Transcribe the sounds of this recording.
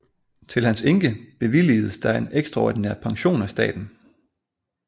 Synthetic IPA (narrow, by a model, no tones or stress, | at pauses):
t͡sʰe̝lhænse̝ŋɡ̥əb̥e̝ʋilḭːð̩ˠsd̥ɑ̈e̝neɡ̥sd̥ʁɑɒ̰dineɐ̰pʰɑ̈ŋɕo̝̰ːnæsd̥ɛ̰ːd̥n̩